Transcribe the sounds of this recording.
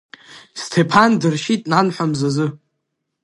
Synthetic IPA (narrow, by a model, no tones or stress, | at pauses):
stʰepʰandɨrʃitʼnanħʷamzazɨ